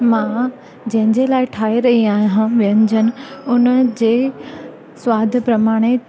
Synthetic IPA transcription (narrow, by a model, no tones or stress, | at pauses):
mã | d͡ʑɐ̃ɦɪ̃ɲd͡ʑelaːɪʈʰaːeɾɐɦiaːɦjɦãʋijənɪd͡ʑʱənɪ̆ʊnd͡ʑeː | swaːd̪ʱpɾɐmaːɽ̃e